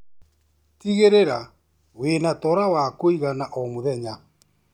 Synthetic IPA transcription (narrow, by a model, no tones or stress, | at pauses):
tiɣeɾeɾa | wenatɔɾawakoiɣanaʔɔmoðɛɲa